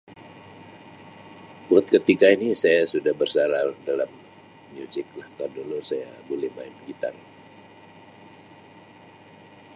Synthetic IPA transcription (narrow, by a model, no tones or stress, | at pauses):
buat̪̚kət̪ikainisajasudahbərsaladalamː | uzɪk̚lahkardolosaja̰bolɛhmaɪnɡit̪a̰n